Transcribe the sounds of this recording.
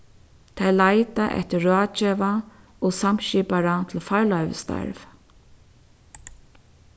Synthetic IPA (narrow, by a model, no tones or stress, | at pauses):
t̪ʰajlajt̪aʔɛ̰ht̪ɪɹɑːt͡ʃɛva | ɔsam̥ɕiːpaɾat̪ʰɪlfaɹlœɥvɪ̰st̪a̰ɹv